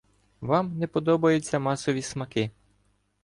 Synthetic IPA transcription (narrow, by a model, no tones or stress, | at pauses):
ʋɑmnɛpɔd̪ɔbɐjʊt͡sʲːɐmɑsɔʋʲismɐkɪ